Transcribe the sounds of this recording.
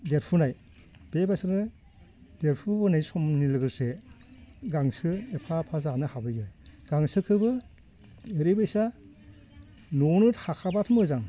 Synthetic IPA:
det̚pʰunaj | b̥ebasɯɾnɯ | det̚pʰubɯnajsɔmnilɯɡɯɾse | ɡaŋsɯepʰapʰazanɯhabɯjɯjɡ̥aŋsɯkʰɯbɯ | eɾibɯsa | nɔnɯthakʰabatʰmɯzaŋ

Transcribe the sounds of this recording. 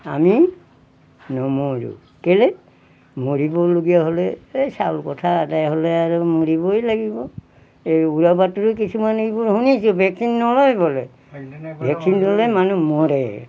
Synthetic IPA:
a̰mi | nɔmoɹṵ | kelɛ | moɹibɔloɡiaɦolɛesalkɔtʰaːtajɦolɛaɹumoɹibɔjlaɡibɔ | ejuɹabatɹuk̬isumanejbuɹhunisubʱɛksinːɔlɔjbɔlɛ | bʱɛksinːɔlɔjmanumɔɾɛ

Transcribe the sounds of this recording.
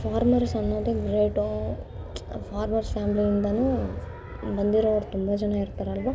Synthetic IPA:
pʰaːɾmɐɾsɐnːoːd̪eɡɾeːʈo | pʰaːɾmɐɾspaːmliind̪ɐnuː | bɐnd̪iɾoʋɐɾut̪umbɐd͡ʒɛnaiɾt̪ːaːɾɐlʋa

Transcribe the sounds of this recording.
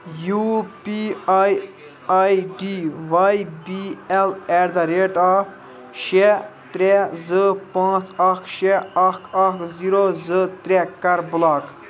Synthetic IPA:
jupiaj | ajɖiʋajbiɛlɛɾd̪ɐɾeʈa | ʃet̪ɾɛzɨpãːt͡sɐkʰʃeɐkʰɐkʰziɾozɨt̪ɾɛkːɐɾbʊlaːk

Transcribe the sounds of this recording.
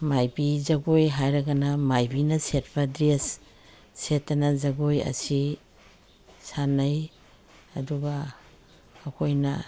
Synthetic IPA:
majbizaɡojɦajɾaɡanamajbinaset̚b̥adɾesː | etːanazaɡojɐ̰si | sanaj | ɐduɡaː | kʰojna̰

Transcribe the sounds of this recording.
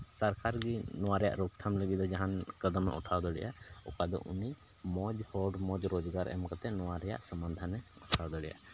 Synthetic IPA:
səɾkaɾɡinɔwaɾɛja̰ʔɾɔkt̪ʰamləɡid̪ɔd͡ʒaɦankəd̪əmːɛ̰ʔɔ̰ʈʰawd̪ɔɽɛ̰jʔa̰ɔkad̪ɔ̰ʔuni | mɔd͡ʒhɔɖmɔd͡ʒɾɔd͡ʒɡaɾɛ̰mkat̪ɛnɔwaɾɛja̰ʔsəmənd̪ʱanːɛ | ɔʈʰawd̪ɔɽɛ̰ja̰

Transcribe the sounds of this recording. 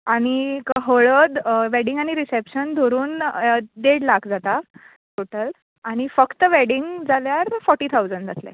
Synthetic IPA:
aɽ̃ikəɦəɭəd̪ʋɛɽiŋɡaɽ̃iɾisepɕənd̪ʱoɾuːnɖeɽlakʰd͡zat̪a | ʈoʈəl | aɽ̃ifəkt̪əʋɛɽiŋɡd͡zʱaljaɾfɔɾʈːiːt̪ʰawd͡zəɳɖd͡zat̪lḛ

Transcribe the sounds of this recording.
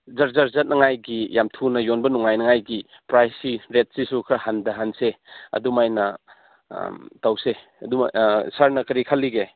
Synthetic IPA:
zɐɾzaɾzɐt̚nʔɐŋajɡijamtʰunɐjonbɐnuŋajnɐŋajɡi | pɾajsiɾet̚sisukʰɾɐhandɐɦanseɐ̰dumajnɐ | tawse | ɐ̰duma̰saɾnɐkɐɾikʰalːiɡe

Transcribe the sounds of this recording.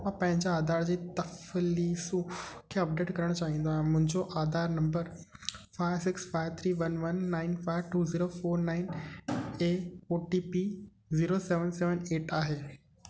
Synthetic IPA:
mãpɐ̃ɦɪ̃ɲd͡ʑaaːd̪aːɾd͡ʑiːt̪ɐflisũkʰeːɐp̚ɖeːʈkɐɾəɽ̃ot͡ɕaːɦĩːn̆d̪oaːɦɪ̃mʊ̃ɦɪ̃ɲd͡ʑoʔaːd̪aːɾnɐ̃mbəɾfaːɪʋsɪksfaːɪʋt̪ʰɾiːʋɐnʋɐnːaːɪnfaːɪʋʈuːziːɾofoːɾnaːɪn | eːfoːʈiːpi | ziːɾosɛːʋənsɛːʋəneːʈaːɦeː

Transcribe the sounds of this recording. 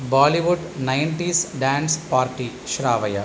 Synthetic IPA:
baːliʋuɖnɐjɳʈiːsɖaːnspaːɾʈi | ʃɾaːʋɐjɐ

